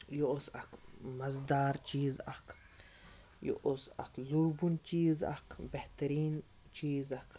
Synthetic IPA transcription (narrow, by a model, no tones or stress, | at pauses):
joosɐkmɐzd̪aːɾt͡ʃiːzɐ̰kʰ | jo̰ʔosɐ̰kluɾbunt͡ʃiːzɐ̰kʰbeht̪ɐɾiːn | t͡ʃiːzɐk